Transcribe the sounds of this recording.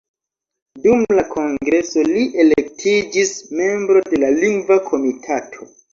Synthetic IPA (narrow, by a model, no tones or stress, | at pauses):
dumlakʰo̞ŋɡɾe̞so̞liʔe̞lek̚tʰid͡ʒisme̞mbɾo̞de̞laliŋɡvakʰo̞mitʰatʰo̞